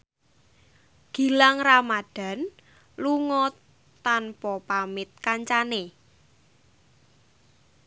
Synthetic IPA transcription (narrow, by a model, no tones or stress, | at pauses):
ɡ̥i̤laŋramad̥ä̤n | luŋɔ | t̪anpɔpamɪt̪̚kaɲt͡ʃane